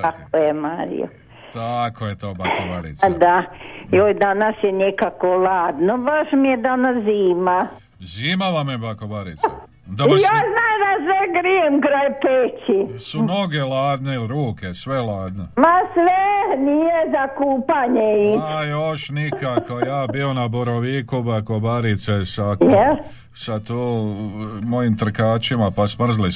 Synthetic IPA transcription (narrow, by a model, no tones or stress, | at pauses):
kakkojemaːɾḭjo̰ | t̪akojet̪oːbakoʋaɾḭt͡s̪d̪ajoːjd̪anasjenekakolaːd̪nobaʃmijed̪anasziːma | ziːmaʋamjebakobaɾis | d̪ojaznaːjd̪aseɡɾiemkɾajpeːt͡ʃisunoɡelaːd̪nelɾuːkesʋelaːd̪nomasʋenijezakuːpaɲeiajoʃnikakojaːbionaboɾoʋiːkubakobaɾit̪sesajɛ | sat̪oː | mojimt̪r̩kaːt͡ʃimapasmr̩zli